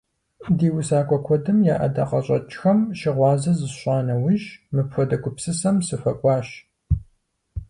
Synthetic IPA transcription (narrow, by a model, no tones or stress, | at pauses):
diːwʊsaːkʷʰʼɔkʷʰɔdɨmjaːʔɐ̰daːqɐɕʼɐt͡ʃʼxɐmʃɪʁʷɑːzɐzɨɕʷʼɑːnɐwɪʒmɨpfɐdɐkʷʊpsɨsɐmsɨfɐkʷʼɑːɕ